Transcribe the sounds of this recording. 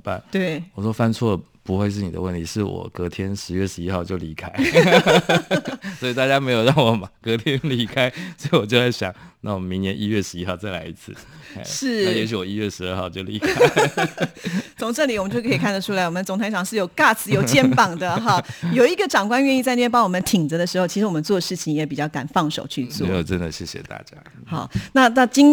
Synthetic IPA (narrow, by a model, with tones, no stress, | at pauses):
pa̰˥˩nt̪we˥˩ɪwɔ˨˩ʂwɔ˥fa˥nt͡sʰwɔ˥˩ə˩pu˧˥xwe˥˧ɪʂ̬ɻ̩˥˩ni˨d̪ə̰˦wə˥˩nt̪ʰi˧˥ʂɻ̩˥˩wɔ̰˨˩kɤ˧˥t̪ʰjɛ˥nʂɻ̩˧˥ɥɛ˥˩ʂɻ̩˧˥i˥xɑ˥˧ʊt͡ɕjo˥˩ʊli˧˥kʰa˥ɪ | sɔ˧˥i˨˩t̪a˥˩t͡ɕja˦me˧˥ɪjo˨˩ɑ˥˩ŋwɔ˨˩mɐ˦kɤ˧˥t̪ʰjɛ˦˥nli˧˥kʰa˥ɪsɔ˧˥i˨wɔ˨˩t͡ɕjo˥˧ʊt͡sa˥˩ɪɕjɑ̰˨˩˦na˥˩wɔ˨˩mə˦nmi˧˥ŋnjɛ˧˦nʔi˦˥ɥɛ˥˩ʂɻ̩˧˥i˦˥xɑ˥˧ʊt͡sa˥˩ɪla̰˧˥ɪḭ˧˥t͡sʰɹ̩˥˩˥ʂɻ̩˥˩˥jɛ˧˦˥ɕy˧˥wɔ˨˩i˦˥ɥɛ˥˩ʂɻ̩˧˦ə˞˥˧xɑ˥˧ʊt͡ɕjo˥ʊli˧kʰa˦˥ | t͡sʰʊ˨˩ŋʈ͡ʂə˥˩li˨wɔ˨˩ə˦t͡ɕjo˥˧ʊkʰi˨˩kʰa˥˩nd̪ə˩ʈ͡ʂʰu˥a˧ɪwɔ˨˩ə˦˧t͡sʊ˨˩ŋt̪ʰa˧˥ɪɑ˨˩ŋʂɻ̩˥˩jo˨˩ʊka˥˩t͡sʰɹ̩˨˩jo˨˩ʊt͡ɕjɛ˥npɑ˨˩ŋd̪ə˦ɦɑ˧˩jo˨˩ʊi˧˥ɡə˨ʈ͡ʂɑ˨˩ŋkwa˥nɥɛ˥˧ni˥˧t͡sa˥˧n˥ɛ˥pɑ˥ŋwɔ˨˩mə˦nt̪ʰi˨˩ŋd͡zə˦d̪ə˧ʂɻ̩˧˥xo˥˧ʊt͡ɕʰi˧˥ʂ̩ɻ̩˧wɔ˨mə˦nt͡swɔ˥˩d̪ə˦ʂɻ̩˥˩t͡ɕʰi˨˩ŋjɛ˧˥pi˨˩t͡ɕjɑ˥˩ʊka˨˩nfɑ˥˩ŋʂo˨˩ʊt͡ɕʰy˥˧t͡swɔ˥˨˧jo˨˩ʈ͡ʂə˦nd̪ə˨ɕjɛ˥˩ɕjɛ̰˨˩t̪a̰˥˨˩t͡ɕja̰˦ | xɑ˨˩˦na˥˧na˥˩t͡ɕi˥ŋ